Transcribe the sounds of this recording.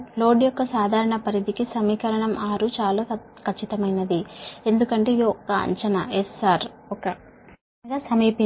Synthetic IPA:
lo̞ːɖijɔkːɐsaːd̪ʱaːɾɐɳɐpɐɾid̪ikisɐmiːkɐɾɐɳɐmaːɾut͡ʃaːloː | kʰɐt͡ʃːit̪ɐmɐjnɐd̪ie̞nd̪ukɐɳʈe̞ːid̪iɔkːɐɐ̰ɲt͡ʃɐnɐ̰esaːɾɔkɐ | ɡasɐmiːpi

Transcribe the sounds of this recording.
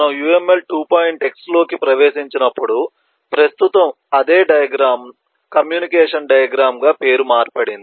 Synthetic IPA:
nɐmjuːeme̞lʈuːpaːjiɳʈe̞kslo̞ːkipɾɐʋeːsiɲt͡ʃinɐpːuɽu | pɾɐst̪ut̪ɐm | ɐd̪eːɖɐjɐɡɾaːm | kɐmjuːnikɛːʂɐnɖɐjɐɡɾaːmɡaːpe̞ːɾumaːɾpɐɽind̪i

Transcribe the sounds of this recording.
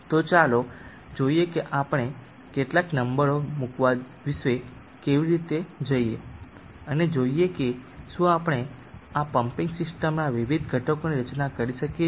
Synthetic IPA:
t̪ot͡ʃalo | d͡ʒoiekeʔapɽ̃e | keʈlaknəmbəɾomukʋa | ʋiʃʋe | keʋiɾit̪ed͡ʒəie | əned͡ʒoiekeʃũapɽ̃e | apəmpĩŋɡsɪsʈəmnaʋiʋid̪ʱɡʱəʈokoniɾət͡ʃnakəɾiʃəke

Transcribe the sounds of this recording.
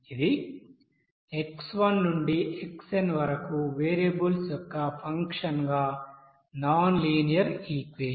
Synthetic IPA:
id̪i | eksʋɐnːuɳɖiʔeksenʋɐɾɐkuʋeːɾɐbulsjɔkːɐpʰɐŋkʂɐnɡaː | naːnliːnijɐɾiːkʋeː

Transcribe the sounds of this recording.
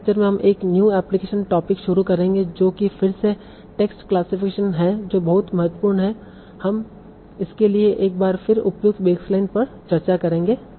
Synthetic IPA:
k̚t͡ʃəɾmẽɦɐmʔeːknjuːɛːplɪkeːʃənʈɔːpɪkʃʊɾukɐɾẽːŋɡed͡ʒoːkifɪɾse | ʈeːksʈklaːsɪfɪkeːʃənɦɛd͡ʒoːbɐɦʊt̪mɐɦət̪wəpuːɾɳɦɛ | hɐm | ɪskelieʔeːk̚baːɾfɪɾʊpjʊk̚t̪beːkslaːɪnpɐɾ | t͡ʃɐɾt͡ʃakɐɾẽːŋɡeː

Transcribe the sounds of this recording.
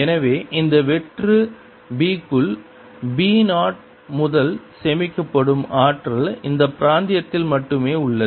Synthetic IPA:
ɛnɐʋeːʔɪnd̪ɐʋɛʈrɯ | biːkːɯɭ | biːnaːʈ̚ | mʊðɐlsɛmɪkːɐpːɐɽɯmaːʈrɐlɪnd̪ɐpɪɾaːnd̪ɪjɐt̪ːɪlmɐʈːɯmeːʊɭːɐ

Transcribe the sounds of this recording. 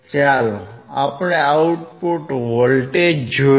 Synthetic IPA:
t͡ʃaloapɳeauʈpoʈʋɔlʈed͡ʒo

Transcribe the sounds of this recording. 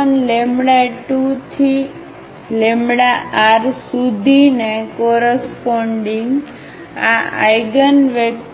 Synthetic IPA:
ənlemɽaʈut̪ʰi | lemɽaaɾsud̪ʱinekoɾəspoɳɖiŋɡ | aa̰jɡənʋək

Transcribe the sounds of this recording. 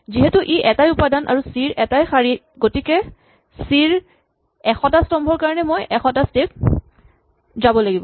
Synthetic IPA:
ziɦɛtuʔiʔɛtajʊpadanʔa̰ɹusiɹʔɛtajxaɹi | ɡotikɛ | siɹ | ɛxɔtastɔmbʱɔɹkaɹɔnɛmojʔɛxɔtastek̚ | zabɔlaɡibɔ

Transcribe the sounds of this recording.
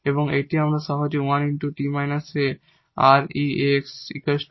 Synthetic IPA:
eboŋeʈiɦamɾaʃaɦod͡ʑewaniɳʈuʈimajnase | aɾieksḭkesʈ

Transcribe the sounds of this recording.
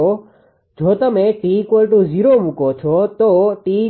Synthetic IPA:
o | d͡ʒot̪əmeʈikwolʈuziɾomũkot͡ʃʰɔt̪oʈi

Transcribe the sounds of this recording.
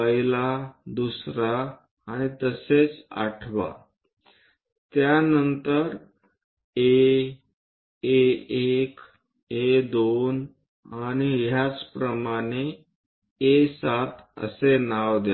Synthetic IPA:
pəɦilad̪usɾaː | ɽ̃it̪əset͡sa̰ʈʰʋa̰ | t̪janənt̪əɾ | e | eek | ed̪on | aɽ̃iɦjat͡spɾəmaɽ̃e | esat̪ʰə̰senaʋd̪a

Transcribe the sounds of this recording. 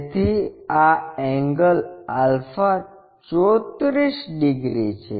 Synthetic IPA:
t̪iaɛŋɡəlalfa | t͡ɕot̪ɾisɖiɡɾit͡ɕʰḛ

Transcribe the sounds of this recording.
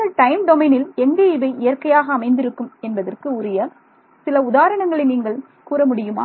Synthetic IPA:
ɐɭʈɐɪmɖɔmɐɪnɪlɛŋɡɐɪʋɐɪʔɪjɐrkɐjaːɣɐːmɐɪnd̪ɪɾɯkːɯmɛnbɐðɐrkɯʊɾɪjɐ | sɪlɐʊðaːɾɐɳɐŋɡɐɭɪniːŋɡɐɭ | kuːɾɐmʊɽɪjɯma̰ː

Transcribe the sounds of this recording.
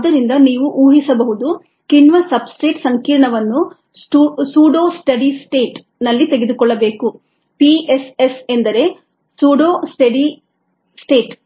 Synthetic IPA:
ɐd̪ɐɾind̪ɐniːʋuʔuːɦisɐbɐɦud̪u | kinʋɐsɐbsʈe̞ːʈsɐŋkiːɾɐɳɐʋɐnːu | ʈusuːɖoːsʈɐɖisʈeːʈ | nɐlːit̪eɡe̞d̪ukɔɭːɐbe̞ːku | piesesend̪ɐɾe̞ | suːɖoːsʈɐɖi | sʈe̞ːʈ

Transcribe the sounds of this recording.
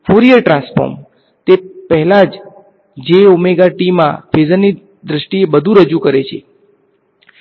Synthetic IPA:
foɾijəɾʈɾãnsfo̰ɾm | t̪epəɦɛlad͡ʒ | d͡ʒeʊmeɡaʈimːã̰fʰezənːi | d̪ɾəʃʈiebəd̪ʱũɾəd͡ʒukəɾet͡ʃʰe

